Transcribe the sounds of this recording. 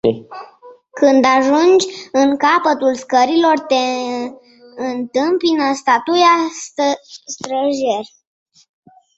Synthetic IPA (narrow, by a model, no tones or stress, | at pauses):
kɨnd̪aʒund͡ʒʲɨŋkapət̪ulskəɾilo̞rt̪e̞ | ɨnt̪ɨmpinəst̪at̪uja | st̪ɾəʒerʲ